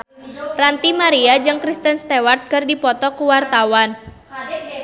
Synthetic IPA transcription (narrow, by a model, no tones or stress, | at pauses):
t̪ɾant̪imaɾiad͡ʒɨŋkɾist̪ənst̪ewart̪̚kɨrdipɔt̪ɔkuwart̪awan